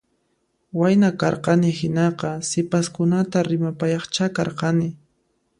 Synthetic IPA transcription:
wajnakɑɾqɑnɪhɪnɑqɑsɪpaskʊnat̪aɾɪmapajɑχt͡ʃakɑɾqɑnɪ

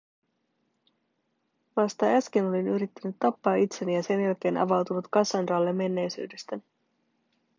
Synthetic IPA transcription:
ʋɑst̪ɑæsk̟ino̞linyɾit̪ːænyt̪ːɑpːɑːit̪se̞nijɑse̞njælk̟e̞ːnʔɑ̰ʋɑwt̪unut̪kɑsɑndɑːlːe̞mːe̞nːe̞jsy̰ːde̞st̪æ

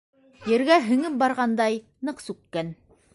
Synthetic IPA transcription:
jɘ̆ɾɡæɦɵ̆ŋɘp̚bɑɾʁɑnd̪ɑj | nɤqsʉkːæn

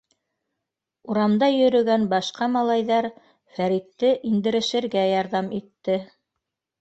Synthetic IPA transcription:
uɾɑmd̪ɑjɵ̆ɾɵ̆ɡænbɑʃqɑmɑlˠɑjðɑɾ | fæɾit̪ːɘʔind̪ɘ̆ɾɘ̆ʃɘ̆ɾɡæjɑɾðɑmit̪ːɘ

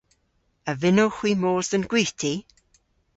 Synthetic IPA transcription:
əvɪnowxw̥iːmoːðənɡ̥wiːtʰi

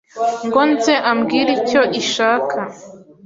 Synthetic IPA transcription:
ŋɡonzeʔamɡiːɾico̞ʔiʃaːkʰa

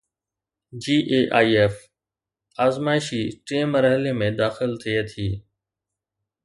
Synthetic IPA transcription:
d͡ʒiːʔeːʔaːieːf | aːzmaːɪʃiːʈeːməɾɦəleːmẽːd̪aːxɪlt̪ʰieːt̪ʰiː

